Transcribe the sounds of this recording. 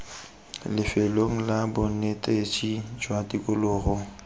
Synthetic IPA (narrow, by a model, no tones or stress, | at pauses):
lɪfeloŋ̩labʊnetʼet͡ʃʼid͡ʒwadikʼʊlʊːɣʊ